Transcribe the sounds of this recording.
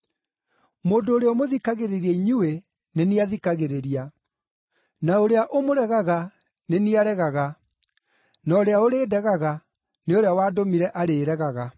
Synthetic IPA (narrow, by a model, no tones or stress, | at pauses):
moːndoːɾeɔmoðikaɣeɾeɾiaiɲue | neniaðikaɣeɾeɾia | naoɾeaʔomoɾɛɣaɣa | neniaɾɛɣaɣa | nɔɾeaoɾeːdɛɣaɣa | neoɾeawaːdomiɾɛʔaɾeːɾɛɣaɣa